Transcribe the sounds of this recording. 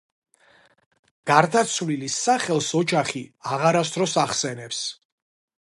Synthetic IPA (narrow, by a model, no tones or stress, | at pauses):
ɡ̥aɾd̪at̪sʰvlilisaχɛlˠsɔd͡ʒaχiaʁaɾas̬t̪ʰɾɔsaχsɛnɛps